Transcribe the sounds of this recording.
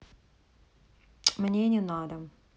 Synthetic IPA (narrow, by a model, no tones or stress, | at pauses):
mnʲenʲinad̪ə